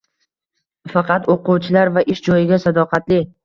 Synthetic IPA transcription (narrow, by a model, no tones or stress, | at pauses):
fɑqʰɑt̪oqʊwt͡ʃʰɪlaɾvaʔɪʃd͡ʒɒjɪɡʲasad̪ɒqʰɑt̪lɪ